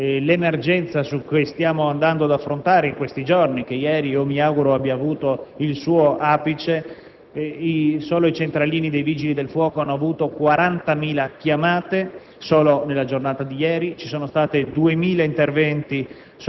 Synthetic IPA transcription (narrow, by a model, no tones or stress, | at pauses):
lemerd͡ʒɛnt̪sasukːest̪jaːmoand̪and̪oad̪afːɾont̪aːɾeiŋkwest̪id͡ʒornikejɛːɾiiːomiaːɡuɾoabjaːvuːt̪oilsuːoʔaːpit͡ʃe | isoːloit͡ʃent̪ɾaliːnid̪ejviːd͡ʒilid̪elfwɔːkoanːoavuːt̪okwaɾant̪amiːlakjamaːt̪e | soːlonelːad͡ʒornaːt̪ad̪ijɛːɾit͡ʃisoːnost̪aːt̪ed̪uemiːlaint̪ervɛnt̪i | s